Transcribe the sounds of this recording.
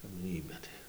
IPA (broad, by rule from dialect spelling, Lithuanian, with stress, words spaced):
kɐp ˈɡnʲiːbʲɛ tɐɪ